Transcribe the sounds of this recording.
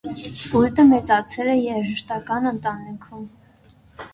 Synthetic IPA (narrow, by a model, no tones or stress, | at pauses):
ult̪əmɛt͡sɑt͡sʰɛlɛjɛɾʒəʃt̪ɑkɑnənt̪ɑnikʰum